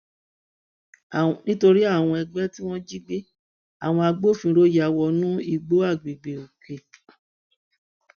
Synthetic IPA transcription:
nĩ˦to˧ɾi˦a˦˨w̃ɔ̃˧ɛ˧ɡ͡bɛ˦ti˦w̃ɔ̃˦d͡ʒi˦ɡ͡be˦ | a˨w̃ɔ̃˧a˧ɡ͡bo˦˨fĩ˧ɾo˦ja˨wɔ˧nũ˦i˦˨ɡ͡bo˦a˦˨ɡ͡bi˨ɡ͡be˨o˨ke˨

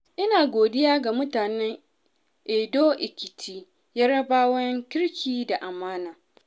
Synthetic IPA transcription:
ʔɪ˦naː˨ɡʷoː˨dɪ˦jaː˦ɡa˨mʊ˦taː˨nɛ˦ŋ | ʔeː˨doː˦ʔɪ˨kʲɪ˨tʰiː˦ | ja˦ɽɐ˦baː˦wɐ˦ŋkʲɪ˦ɽkʲʰiː˦da˨ʔa˨maː˦naː˨

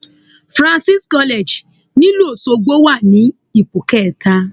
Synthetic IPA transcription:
fɾã˧nsi˦skɔ˧lɛ˨d͡ʒ | nĩ˦lo˦˨so˧ɡ͡bo˦wa˦˨nĩ˨˦ | i˦˨k͡pu˨kɛ˦˨tʰa˧

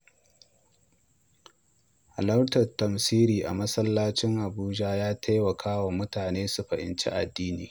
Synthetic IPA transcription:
ha˨lɐ˦wtɐ˨rtɐ˨msiː˦ɾiː˨ʔa̰˨mɐ˦sɐ˦lːaː˦t͡ʃɪ˦ŋʔa˨buː˦d͡ʒaː˦jaː˦tʰa˦jwɐ˨kʰaː˦wa˨mʊ˦taː˨neː˦su˨ɸɐ˨ʔɪ̰˨nt͡ʃḛ˦ʔa̰˨dːiː˦nḭː˨

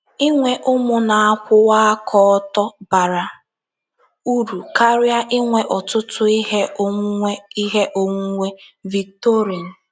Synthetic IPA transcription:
ɪ˦ŋʷe˨ʔʊ˦mʊ˦na˨a˦kʷʊ˦wa˦a˦kʰɔ˦ɔ˦tɔ˦ba˨ɾa˨ | u˦ɾu˨ka˦ɾa˦ʔɪ˦ŋʷe˨ʔɔ˨tʊ˦tʊ˦i˦ɦe˦o˦ŋʷ˦e˦i˦ɦe˦ʔo˦ŋu˦ŋʷe˦vi˨k̚to˦ɾi˨n̩˨

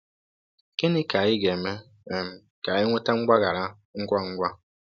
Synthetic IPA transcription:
kɪ˦nɪ˦ka˨jɪ˦ɡe˨me˦ | e˨m̩˦ | ka˨jɪ˦ŋʷe˦ta˦ŋ͡m̩˦ɡ͡ba˦ɣa˨ɾa˦ | ŋ̩˦kʷa˦ŋ̩˦ɡʷa˦

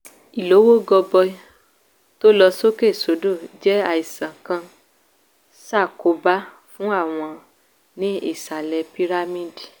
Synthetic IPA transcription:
i˨lo˨˦wo˦ɡɔ˧bɔ˧˦ | to˦lɔ˧so˦ke˦˨so˨˦do˦˨d͡ʒɛ˦a˦˨i˨sã˨kã˧ | sa˦˨ko˨˦ba˦ | fũ˦a˦˨w̃ɔ̃˧ | nĩ˦ḭ˦˨sa˨lɛ˨˧pi˦ɾa˦mĩ˦˨di˨

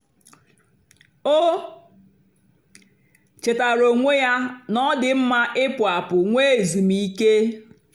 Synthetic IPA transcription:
o˦ | t͡ʃe˨ta˨ɾo˨ŋʷe˦ja˦nɔ˦dɪ˨m̩˦ma˦ʔɪ˦pʊ˨a˨pʊ˨ŋʷe˦˨zi˨mi˨i˦ke˦

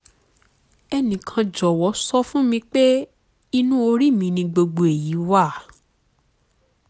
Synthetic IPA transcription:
ɛ˧nĩ˨kʰã˧d͡ʒɔ˨wɔ˨˦sɔ˦fũ˦mĩ˧k͡pe˦ | i˧nũ˦o˧ɾi˦˨mĩ˧nĩ˧ɡ͡bo˧ɡ͡bo˨e˨ji˨˦wa˦˨

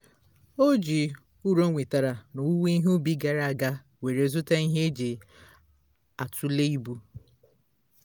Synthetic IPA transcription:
o˦d͡ʒi˨ | u˦ɾo˦ŋʷe˨ta˨ɾa˨no˨u˦we˦i˦ɦu˦bi˦ɡa˨ɾa˨a˨ɡa˦ | we˨ɾe˨zʊ˦ta˦i˦ɦe˦d͡ʒe˨ | a˨tʊ˦le˦i˦bu˦

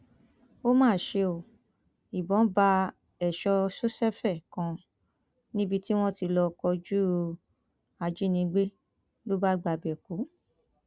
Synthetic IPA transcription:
o˦mãː˦˨ʃe˧o˨ | i˨bɔ̃˨˦ba˧ | ɛ˨ʃɔ˧so˦sɛ˦fɛ˦˨kã˧ | nĩ˦bi˧ti˦w̃ɔ̃˦ti˧lɔ˧kɔ˧d͡ʒu˦ | a˧d͡ʒi˦nĩ˧ɡ͡be˦ | lo˦ba˦ɡ͡ba˧˨bɛ˨ku˨˦

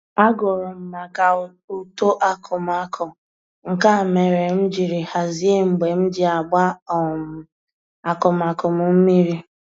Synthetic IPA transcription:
a˦ɡʊ˨ɾɔ˨m̩˨ma˨ka˨ | u˦to˦ʔa˨kʰʊ˨ma˨kʰʊ˨ | ŋ̩˨ka˦˨me˨ɾe˨m̩˦d͡ʒi˨ɾi˨ha˨zi˦e˦m̩˨ɡ͡be˨m̩˦dɪ˦a˨ɡ͡ba˦ɔ˨m̩˨ | a˨kʊ˨ma˨kʊ˨mʊ˦m̩˦mi˦ɾi˦

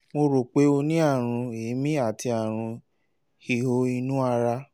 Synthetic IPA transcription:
mo˧ɾo˨k͡pe˨˦o˧nĩ˦a˦˨ɾ̃ũ˧e˨˦mĩ˦a˦˨tʰi˧a˨ɾ̃ũ˧ | hi˨o˧˦i˧nũ˦a˧ɾa˧

